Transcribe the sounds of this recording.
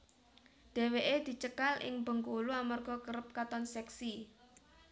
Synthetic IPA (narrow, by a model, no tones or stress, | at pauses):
ɖ̪̥e̤weʔed̪̥i̤t͡ʃəkalɪ̰ŋbə̤ŋkoluamarɡ̥ɔ̤kəɾəp̚kat̪ɔnsɛksi